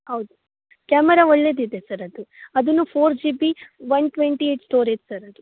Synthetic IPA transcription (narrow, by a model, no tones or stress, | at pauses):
hɐwd̪u | kaːmɛɾaɔɭːe̞d̪id̪esɐɾɐd̪uɐd̪unːupʰoːɾd͡ʒiːbiʋɐnʈʋeɳʈieʈsʈoːɾeːtsɐɾɐd̪u